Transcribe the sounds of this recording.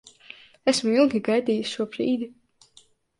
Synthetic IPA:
ɛsmuilˠɡʲiɡajd̪iːjisʲʃuɔbɾiːd̪i

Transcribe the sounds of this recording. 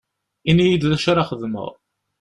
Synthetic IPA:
inijid̪læʃaɾaχəðmə̰ʁˤ

